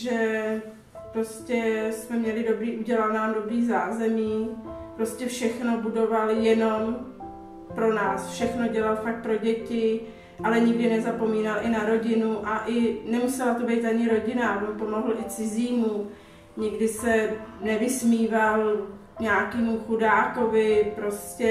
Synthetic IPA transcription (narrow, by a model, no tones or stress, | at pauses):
ʒɛ | pɾo̞scɛsmɛmɲɛlɪdo̞bɾiːʔuɟɛlalnaːmdo̞bɾiːzaːzɛmiːpɾo̞scɛfʃɛxno̞budo̞valjɛno̞m | pɾo̞na̰ːsfʃɛxno̞ɟɛlalfak̚t̪̚pɾo̞ɟɛcɪ | ʔalɛɲɪɡdɪnɛzapo̞miːnalʔɪnaɾo̞ɟɪnuʔaʔɪnɛmusɛlat̪o̞bɛjt̪aɲɪɾo̞ɟɪnabompo̞mo̞ɦl̩ʔɪt͡sɪziːmu | ɲɪɡdɪsɛnɛvɪsmiːval | ɲaːkiːmuxudaːko̞vɪpɾo̞scɛ